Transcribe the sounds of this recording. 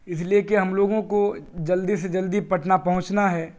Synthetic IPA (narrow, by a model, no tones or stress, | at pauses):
ɪsliekeɦɐmloːɡõkod͡ʒɐld̪ised͡ʒɐld̪ipɐʈnapɐɦʊ̃t͡ʃnaɦɛː